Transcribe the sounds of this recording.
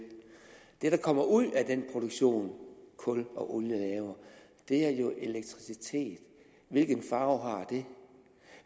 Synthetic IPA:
d̥e̝ɾ̥ɑ̈kʰɒ̽m̰ɐʔuð̰ˠæd̥enpʰʁo̝ɾ̥oɡ̥ɕo̝̰ːnkʰɔ̽lɒ̽ʔoljəlɛːʊɐ | d̥e̝æɐjo̝ʔe̝leɡ̥̚t͡sʰʁisit͡sʰe̝̰ːd̥ | ʋe̝lɡ̥ən̩fɑ̈ːʊɦɑ̈d̥e̝

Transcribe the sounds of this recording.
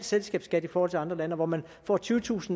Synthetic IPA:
d̥selsɡ̥ɛ̰ːb̥sɡ̥æd̥ifɒːhɒ̽lt͡sʰeɑ̈nd̥ʁɐlænəɒʋɒmæn | fɒ̰ːt͡sʰyːʊət͡sʰṵːsn̩

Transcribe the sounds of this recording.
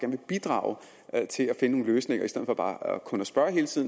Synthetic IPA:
ɡæɐnʋe̝b̥id̥ʁɑ̈ʊ | t͡sʰe̝læfe̝nno̝ːŋn̩løːsne̝ŋ̰ɐisdeð̰ˠfɒ̽b̥ɑ̈ːkʰɔ̽næsb̥ɶɐɦe̝ːlt͡sʰið̰ˠ

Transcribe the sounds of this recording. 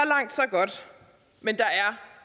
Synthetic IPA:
lɑ̈ŋ̰d̥sɒ̽ɡ̥ɒ̽d̥ | mend̥ɑ̈æɐ

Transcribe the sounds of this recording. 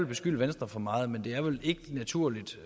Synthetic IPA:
lb̥e̝sɡ̥yl̰ʋensd̥ʁɐfɒ̽mɑ̈ːð̩ˠmend̥e̝æɐʋe̝le̝ɡ̥ənæt͡sʰuɐ̰lid̥

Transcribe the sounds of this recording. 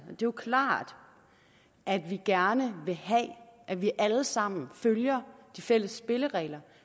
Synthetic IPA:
d̥e̝kʰlɑ̰̈ːd̥ | ʔæd̥ʋiɡ̥æɐnəʋe̝hɛʔæʋiʔæləsɑ̈m̰n̩føljɐd̥ifel̰əsːb̥e̝ləʁɛ̰ːlɐ

